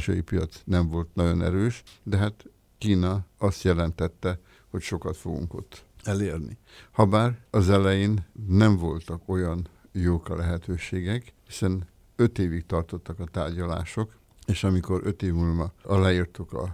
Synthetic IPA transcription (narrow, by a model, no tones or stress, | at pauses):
ʃɒjipijɒt̪snɛɱvo̞lt̪nɒɟo̞̰nɛ̰ɾøːʃd̪ɛɦaːt̪ | kiːnɒɒst̪jɛlɛnt̪ɛt̪ːɛ | ho̞cʃo̞kɒt̪fo̞ɡṵŋko̞̰t̪ːɛleːrnḭ | hɒbaːrɒzɛlɛjeːnːɛɱvo̞lt̪ɒko̞jɒn | joːkɒlɛɦɛt̪øːʃeːɡɛkhisɛn | øt̪eːvikt̪ɒrt̪o̞t̪ːɒkɒt̪aːrɟɒla̰ːʃo̞k | eːʃɒmiko̞ɾʔø̞t̪eːvmulvɒɒlaːjirt̪ukɒ̰